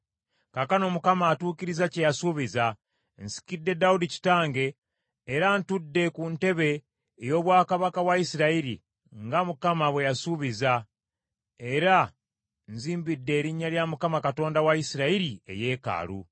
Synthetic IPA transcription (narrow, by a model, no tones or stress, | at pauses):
kakano̞mukamaːtuːkiɾizace̞jasuβiza | nsi̥kidːe̞daudici̥taːŋɡe̞ː | ɾantudːe̞kunte̞βe̞ː | jo̞ːβwaːkaβakawaisiɾaiɾi | ŋɡamukamaβwe̞jasuβiza | e̞ɾa | nziːmbidːe̞ːɾiɲːaljamukamakato̞ːndawaisiɾaiɾie̞̰je̞ːka̰ːlṵ